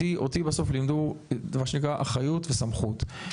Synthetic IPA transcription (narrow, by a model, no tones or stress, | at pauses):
iʔotibaso̞flimd̪umaʃenikʁaʔaχajutvesamχut̪